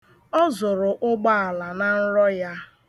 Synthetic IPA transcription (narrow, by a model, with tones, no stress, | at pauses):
ɔ˦zʊ˨ɾʊ˨ʔʊ˦ɡ͡ba˦a˨la˨na˨n̩˦ɾɔ˦ja˦